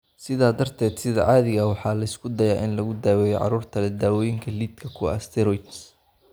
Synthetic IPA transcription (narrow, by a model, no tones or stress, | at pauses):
sɪðaːd̪ɐrt̪ʰɛːd̪sɪðɐʕɑːðɪɣɐwɑħɑːlɐɪskʰʊd̪ɐjaːʔɪnlɐɣʊd̪aːwɛːjɛjʕɑ̰ɾuːrt̪ʰɐlɛd̪aːwɔjɪŋkʰɐliːd̪kʰɐkʰʊɐ̰st̪ʰɛɾɔjt͡ʃ